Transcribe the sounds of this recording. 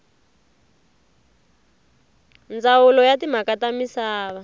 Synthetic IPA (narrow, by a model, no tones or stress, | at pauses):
nd͡zawulɔjatim̤akatamisaːβa